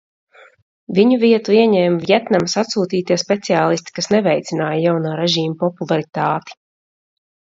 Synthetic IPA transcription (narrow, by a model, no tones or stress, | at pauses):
viɲuviɛt̪uiɛɲɛːmvjɛt̪namsat̪suːt̪iːt̪iɛspɛt̪siaːlˠist̪i̥kasnɛvɛjt̪sinaːjəjawnaːɾɛʒiːmpɔpulˠaɾit̪aːt̪i̥